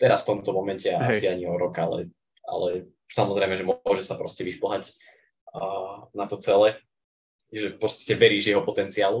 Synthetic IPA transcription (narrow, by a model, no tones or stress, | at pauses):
t̪ɛɾasft̪ɔmt̪ɔmɔmɛncɛaasiaɲiɔɾɔkaalɛ̰ | a̰lɛ | samɔzɾɛɪmɛʒɛmʊɔʒɛsapɾɔscɛʋiʃpl̩ɦacː | nat̪ɔt͡sɛlɛ | ʒɛfpɔt͡st̪ḁcɛʋɛɾiːʒjɛɦɔpɔt̪ɛnt͡siaːlu